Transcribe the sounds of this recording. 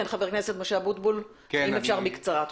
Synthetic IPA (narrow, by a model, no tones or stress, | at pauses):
enχaveʁkne̞set̪moʃeabut̪bul | imefʃaʁmikt͡saʁat̪